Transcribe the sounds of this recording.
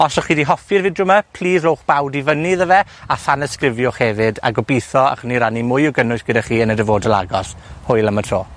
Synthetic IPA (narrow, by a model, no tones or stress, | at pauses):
ɔsɔχiːdiɦɔfɨrvɪdrʊmapʰl̥ˠiːzrowχb̥awdivəniðəvɛaθanəskrɪvjɔχhɛvɨda̰ɡɔbijθɔa̰χəniɾanimʊjɔɡənʊsɡədaχiːənədəvoːdəlˠa̰ɡɔshʊɨlˠəmətʰroː